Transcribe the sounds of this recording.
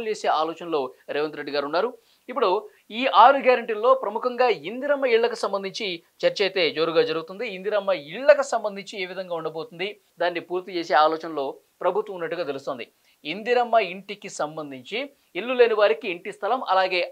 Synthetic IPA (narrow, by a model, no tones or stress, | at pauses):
lt͡ʃeːse̞ːaːlɔːt͡ʃɐnlo̞ːɾeːʋɐnt̪ɾeɖːiɡaːɾunːaːɾu | ipːuɽu | iːʔaːɾuɡʱjaːɾɐɳʈiːlːo̞ːpɾɐmukʰɐŋɡaːind̪iɾɐmːɐiɭːɐkusɐmbɐnd̪ʱiɲt͡ʃi | t͡ʃɐɾt͡ʃejt̪e̞ːd͡ʒo̞ːɾuɡaːd͡ʒɐɾuɡut̪und̪iind̪iɾɐmːɐiɭːɐkusɐmbɐnd̪ʱiɲt͡ʃie̞ːʋid̪ʱɐŋɡaːuɳɖɐbo̞ːt̪und̪i | d̪aːnːipuːɾt̪it͡ʃeːse̞ːaːlɔːt͡ʃɐnɐlo̞ː | pɾɐbʱut̪ʋɐmunːɐʈːuɡaːt̪̬e̞lust̪o̞ːnd̪i | ind̪iɾɐmːɐiɳʈikisɐmbɐnd̪ʱiɲt͡ʃi | ɭːuleːniʋaːɾikiːɳʈist̪ʰɐlɐmɐ̰laːɡe̞ː